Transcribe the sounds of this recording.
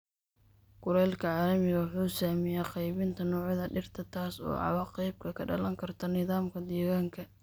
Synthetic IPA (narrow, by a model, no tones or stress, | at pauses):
ɡ̥ʊɾɛːlkʰɐʕaːlɐmɪɣɐwħuːsaːmɪjaːqɑjβɪnt̪ʰɐnɔːʕjɐðɐɖɪrt̪ʰɐt̪ʰaːsɔ̰ːʕɑ̰wɑqɑjb̚kʰɐkʰɐɖɐ̰lɐŋkʰɐrt̪ʰɐnɪðaːmkʰɐd̪ɛːɣaːŋkʰɐ